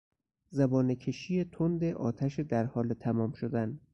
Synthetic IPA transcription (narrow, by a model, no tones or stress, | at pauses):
zæbɒːnecʰeʃijet̪ʰond̪eʔɒ̰ːt̪ʰæʃed̪æɾhɒːlet̪ʰæmɒːmʃod̪æn